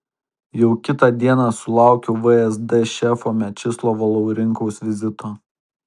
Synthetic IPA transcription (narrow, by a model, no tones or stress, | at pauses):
jɛʊkʲɪt̪ɑd̪ʲiɛnɑsʊlˠɑˑʊkʲɛʊʋɨɛzd̪ɛʃʲɛfoːmʲɛt͡ʃʲɪslˠoːʋɐlˠoʊɾʲɪŋkɔʊsʋʲɪzʲɪt̪oː